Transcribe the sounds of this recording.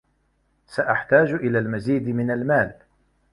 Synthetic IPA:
saʔaħt̪aːd͡ʒʔɪlaːlmaziːd̪mɪnalmaːl

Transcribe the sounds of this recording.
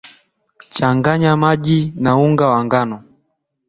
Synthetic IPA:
t͡ʃaŋɡaɲamaʄinauŋɡawaŋɡanɔ

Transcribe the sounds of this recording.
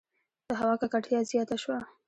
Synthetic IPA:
d̪̥əɦawɑkakaʈjɑzjɑt̪aʃwa

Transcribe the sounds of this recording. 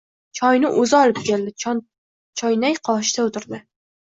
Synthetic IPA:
t͡ʃʰɒjnɪʔɵzɪɒlˠɪp̚kʲeld̪ɪ | t͡ʃʰɒjnajqʰɒʃt̪aʊt̪ɪɾd̪ɪ

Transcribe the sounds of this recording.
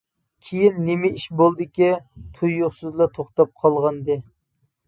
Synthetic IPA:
kʲʰejinːɪmɪiʃbolˠd̪ɪkʲit̪ʰujːoχsɨzlˠɑt̪ʰoχt̪ɑp̚qʰɑlˠʁɑnd̪ɨ

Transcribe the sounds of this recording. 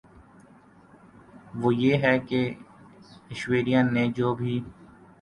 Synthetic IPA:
ʋoːjeːɦɛke | ɪʃweːɾijãnẽd͡ʒoːbʱiː

